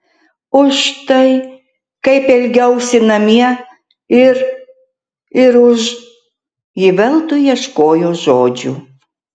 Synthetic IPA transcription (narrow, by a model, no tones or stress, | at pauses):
ʊʃt̪ɐɪ | kɐɪpɛlʲɡʲɛwsʲɪnɐmʲiɛ | ɪɾ | ɪɾʊʒ | jɪʋʲɛlˠt̪ʊjiɛʃkoːjoʒoːd͡ʒʲu